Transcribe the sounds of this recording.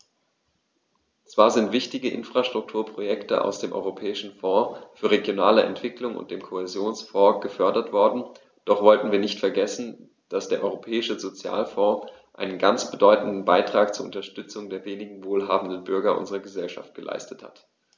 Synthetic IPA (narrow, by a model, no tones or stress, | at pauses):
t͡sv̥aːɐzɪntv̥ɪçtɪɡəʔɪ̰nfʁ̥aʃtʁ̥ʊk̚tʰuːɐpʁ̥ojɛktəʔa̰ʊsd̥eːmʔɔ̰ʏʁopʰɛːɪʃn̩fɔ̃ːfyːɐʁeɡjonaːləʔɛ̰ntv̥ɪklʊŋʊ̰nt̚d̥eːmkʰohɛzjoːnsfɔːɡ̥əfœɐdɐtv̥ɔɐdn̩ | d̥ɔχv̥ɔltn̩viːɐnɪçtfɛɐɡɛsn̩ | d̥asd̥eːɐʔɔ̰ʏʁopʰɛːɪʃəzot͡sja̰ːlfɔ̃ːʔaɪnənɡant͡sb̥ədɔʏtn̩dn̩baɪtʁ̥aːk̚t͡suːɐʔʊ̰ntɐʃtʏt͡sʊŋdeːɐveːnɪɡŋ̩voːlɦaːbm̩n̩dən̩bʏɐɡɐʔʊ̰nzəʁɐɡəzɛlʃa̰ft̚ɡ̥əlʔa̰ɪstətha̰t